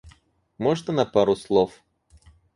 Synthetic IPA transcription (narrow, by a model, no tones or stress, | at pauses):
mɔʐnənɐpaɾʊslˠɔf